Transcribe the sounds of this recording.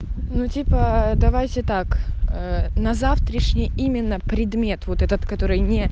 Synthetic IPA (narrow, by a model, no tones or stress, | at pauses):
nutʲipəd̪ɐvajtʲɪt̪akənɐzaft̪ɾəʂnʲɪjimʲɪnːəpɾʲɪd̪mʲe̞t̪vot̪ɛt̪ət̪kɐt̪o̞ɾɨjnʲɪ